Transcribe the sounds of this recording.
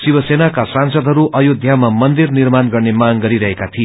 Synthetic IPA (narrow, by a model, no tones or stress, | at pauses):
sibʌsenakasãnsʌd̪ʱɦʌɾuʔʌjod̪ʱjamamʌnd̪irnirmanɡʌrnemaŋɡʌɾiɾʌɦekat̪ʰie